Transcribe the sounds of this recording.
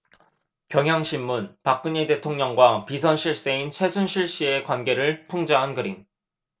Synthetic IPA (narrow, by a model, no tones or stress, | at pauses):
kjʌŋɦjaŋɕʰimːunpak̚k͈ɯɲite̞tʰoŋɲʌŋɡwapisʰʌnɕʰiɭs͈e̞int͡ɕʰwe̞sʰunɕʰiɭɕ͈ie̞kwanɡe̞ɾɯɭpʰuŋd͡ʑaɦanɡɯɾiŋ